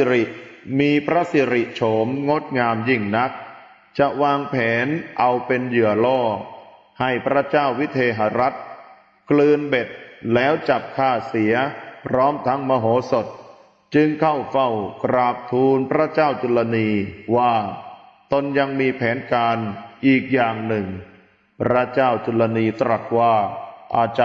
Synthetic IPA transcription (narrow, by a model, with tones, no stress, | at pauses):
ɾi˨˩ʔmiː˧pʰɾa˦˥si˨˧˦ɾi˨˩ʔt͡ɕʰo˩˦mŋo˦˥t̪̚ŋaː˧mji˥˩ŋna˦˥k̚ | t͡ɕa˨˩ʔwaː˧ŋpʰɛː˩˦nʔa˧wpe˧njɯ˨˩ɐlɔː˥˩k̚ | ha˥˩jpʰɾa˦˥t͡ɕaː˥˩wːi˦˥t̪ʰeː˧ɦa˧ɾa˦˥t̪̚ | klɯː˧nbe˨˩t̪̚lɛː˦˥wt͡ɕa˨˩p̚kʰaː˥˩si˩˦ɐpʰɾɔː˦˥mt̪ʰa˦˥ŋmaː˧ɦoː˩˦so˨˩t̪̚ | t͡ɕɯ˧ŋkʰa˥˩wfa˥˩wkɾaː˨˩p̚t̪ʰuː˧npʰɾa˦˥t͡ɕaː˥˩wt͡ɕu˧lːa˧niː˧waː˥˩t̪o˧nja˧ŋmiː˧pʰɛː˩˦nkaː˧nʔiː˨˩k̚jaː˨˩ŋnɯ˨˩ŋ | pʰɾa˦˥t͡ɕaː˥˩wt͡ɕu˧lːa˧niː˧t̪ɾa˨˩t̪̚waː˥˩ʔaː˧t͡ɕa˧˨